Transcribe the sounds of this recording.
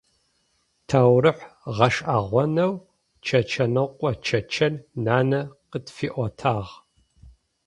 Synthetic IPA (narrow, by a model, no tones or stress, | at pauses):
tʰaːwɾɨħʁɐʂʼʔaːʁʷɔnɐw | t͡ʃʰɐt͡ʃʰɐnɐqʷʼɔt͡ʃʰɐt͡ʃʰɐnnaːnɐqədfiːʔʷɔtʰaːʁ